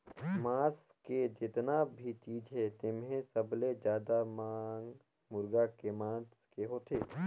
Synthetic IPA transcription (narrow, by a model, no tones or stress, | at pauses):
mãːs | ked͡ʒɪt̪nabʱit͡ʃiːd͡ʒɦɛt̪ɪmɦẽsəbled͡ʒjaːd̪amaːŋɡ | mʊɾɡakemãːskeɦoːt̪ʰeː